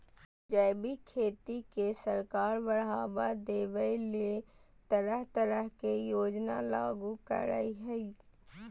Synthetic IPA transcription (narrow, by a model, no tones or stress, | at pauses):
d͡ʒəːbikʰeːt̪ikesəɾkaːɾbəɽaːbad̪eːʋəilet̪əɾəɦt̪əɾəɦkejoːd͡ʒnalaːɡukə̰ɾa̰ːiɦɛi